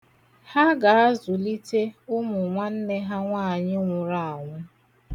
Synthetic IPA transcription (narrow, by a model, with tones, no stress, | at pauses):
ha˦ɡa˨a˦zʊ˨li˦te˦ʊ˦mʊ˨ŋʷa˦n̩˦ne˦ɦa˦ŋʷaː˦˨ɲɪ˦ŋʷʊ˨ɾa˦˨a˨ŋʷʊ˦